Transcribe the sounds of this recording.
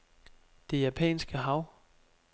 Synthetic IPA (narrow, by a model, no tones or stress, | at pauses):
d̥e̝jæpʰɛ̰ːnsɡ̥əɦɑ̈ʊ̰